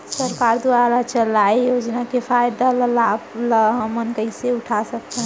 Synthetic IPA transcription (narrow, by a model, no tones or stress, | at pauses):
səɾkaɾd̪uaɾalat͡ʃəlajjod͡ʒnakepʰajd̪aləlabləɦəmənkəjseuʈʰasək̚t̪ʰə̃